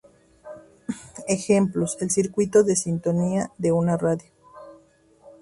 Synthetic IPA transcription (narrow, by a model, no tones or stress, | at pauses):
exemplose̞lsiɾkwit̪o̞ðe̞sint̪o̞niaðe̞unaraðjo